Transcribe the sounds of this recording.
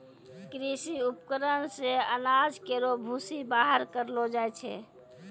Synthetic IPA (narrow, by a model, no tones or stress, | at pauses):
kɾisiupkəɾənseənad͡ʒkeɾobʱusibaɦəɾkəɾlod͡ʒajt͡ʃʰɛ̰